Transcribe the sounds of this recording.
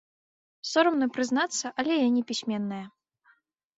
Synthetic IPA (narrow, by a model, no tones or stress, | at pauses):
sɔɾɐmnɨpɾɨznat̪sːɐʔɐlʲɛjanʲipʲisʲmʲɛnːɐjɐ